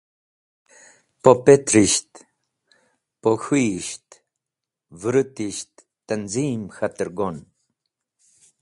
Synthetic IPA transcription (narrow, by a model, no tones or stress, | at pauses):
pɔpɛt̪ɾiʃt̪ | pɔxiʃt̪ | vɾɨt̪iʃt̪ːənzimxat̪əɾɡɔn